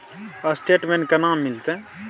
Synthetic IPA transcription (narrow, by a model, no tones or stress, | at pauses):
asʈeːʈmẽːɳkanaːmːɪlt̪eɛ̃